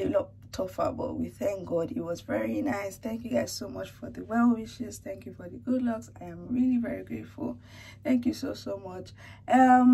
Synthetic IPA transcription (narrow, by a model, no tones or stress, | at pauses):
elʌ | tʰɔfə̰bɔ̰twiθæ̃ŋk̚ɡɔdɪt̚wɔzvɛɹinaɪsθæ̃ŋkjuɡaɪz̥somʌt͡ʃfɔðəwɛlˠwɪʃɨz̥θæ̃ŋkʰjufɔðəɡʊdˡlʌksaɪãmɹilivɛɹiɡɹeɪtfṵlˠ | θæ̃ŋkjusosomʌt͡ʃ | ʔʌm